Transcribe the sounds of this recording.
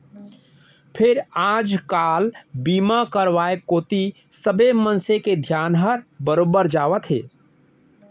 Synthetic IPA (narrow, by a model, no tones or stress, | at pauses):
pʰeɾad͡ʒkalbimakəɾʋaekot̪i | səbemənseked̪ʱjanɦəɾbəɾobəɾd͡ʒaʋət̪ɦḛ